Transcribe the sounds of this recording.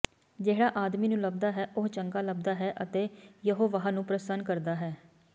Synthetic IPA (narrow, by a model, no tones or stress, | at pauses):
d͡ʒeːɦɽaːʔaːd̪miːnũːləb̚d̪aːɦɛːʔʊɦt͡ʃəŋɡaːləb̚d̪aːɦɛːʔət̪eːjəɦoːʋaɦaːnũːpɾəsənkəɾd̪aːɦɛː